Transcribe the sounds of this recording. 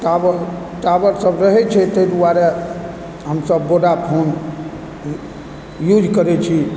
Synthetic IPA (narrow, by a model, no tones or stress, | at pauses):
ʈabɾ | ʈabəɾsəbɾəɦɛt͡ʃʰɛt̪əjd̪uaɾe | ɦəmsəbːoɽapʰon | jud͡ʒkəɾɛt͡ʃʰi